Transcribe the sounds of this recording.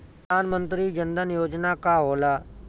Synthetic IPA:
aːnmə̃nt̪ɾiːd͡ʒənd̪ənjoːd͡ʒnakaɦoːlaː

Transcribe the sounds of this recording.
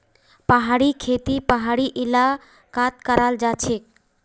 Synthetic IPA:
pəɦaːɽikʰeːt̪ipəɦaːɽiʔɪla | kaːt̪kəɾaːld͡ʒaːt͡ʃʰek

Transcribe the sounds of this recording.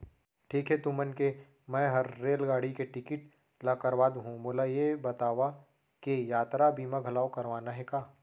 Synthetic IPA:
ʈʰiːkɦɛt̪umənke | mɛ̃ːɦɐɾːeːlɡaːɽikeʈɪkɪʈ | lakɐɾʋaːd̪ɦũmoːlajebɐt̪aːʋa | kejaːt̪ɾabiːmãɡʱɐlaːokɐɾʋaːnaɦɛkaː

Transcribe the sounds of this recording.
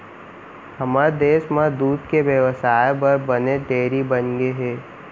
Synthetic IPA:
hɐmad̪eːʃmad̪uːd̪keʋjəʋəsaːjbɐɾbɐneʈ̪eːɾibənɡeɦeː

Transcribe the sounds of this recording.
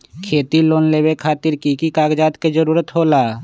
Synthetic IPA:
kʰeːt̪iloːnleːbekʰaːt̪ɪɾkikikaːɡd͡ʒaːt̪ked͡ʒəɾuːɾət̪ɦoːlaː

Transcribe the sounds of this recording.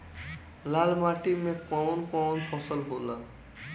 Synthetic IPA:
lalmaʈimekaɔnkawɔnpʰɔsɔlbola

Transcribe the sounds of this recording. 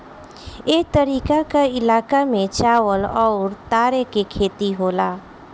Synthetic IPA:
eːk̚t̪əɾiːkakaɪlaːkamẽt͡ʃaːʋəlɔːɾt̪aːɾekekʰeːt̪iɦoːlaː

